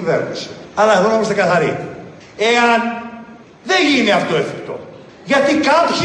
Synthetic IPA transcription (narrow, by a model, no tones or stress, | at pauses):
veɾnisi̥ɐlɐeðo̞nɐpust̪eɡɐθɐɾi | eɐn | ðeʝineɐft̪o̞eθikt̪o̞̰ | ʝɐt̪ikɐpç